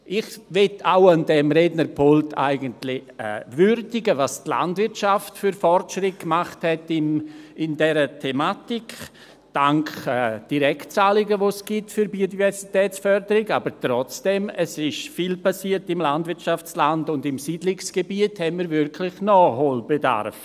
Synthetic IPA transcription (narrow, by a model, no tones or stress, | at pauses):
ʔɪχvɛtʰaʊandɛmɾednəɾpʰoltʰa̰ɪɡəntlɪɛ̰vʏrdɪɡəvastla̰ndvɪɾtʃaftfyɾfɔrtʃɾɪt̚kmaχthɛtɪmɪndɛɾətʰɛmatik | d̥aŋkɛːd̥iɾɛktt͡saːlɪɡəvosɡ̥ɪtfyɾbiodivɛɾsitɛːt͡sfœɾdəɾɪɡaːbəɾtɾɔt͡sd̥ɛməsɪʃfiːlpasiːtɪmlandvɪɾtt͡ʃaft͡slandʊndɪmsiːdlɪksɡ̥ebiəthɛnmiɾvɪɾkʰlɪχnɔholbeda̰ɾf